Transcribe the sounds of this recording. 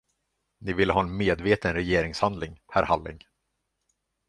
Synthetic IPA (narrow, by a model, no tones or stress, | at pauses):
nɪvɪlːəɦɑːɛnmeːd̪veːt̪ənɾɛjeːɾɪŋshand̪lɪŋhæ̰ːɾhalːɪ̰ŋ